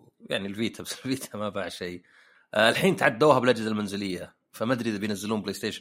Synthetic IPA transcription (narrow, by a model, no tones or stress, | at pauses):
ja̰ʕnilviːt̪ʰabɪsɪlviːt̪ʰamabaʕʃeː | lħiːnt̪aʕad̪ːuːɦabɪlʔad͡ʒzalmanzɪlɪjːa | famad̪ɾibɪjnazːɪluːmbleːst̪eːʃ